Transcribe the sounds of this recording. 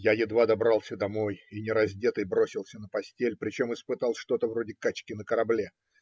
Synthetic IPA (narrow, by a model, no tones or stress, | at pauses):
jajɪd̪vad̪ɐbɾɑlˠsʲəd̪ɐmo̞jinʲɪɾɐzʲdʲe̞t̪ɨjbɾo̞sʲɪlˠsʲənəpɐsʲtʲelʲpɾʲɪt͡ɕo̞mɨspɨt̪alˠʂt̪o̞t̪əvɾo̞dʲɪkat͡ɕkʲɪnəkəɾɐblʲe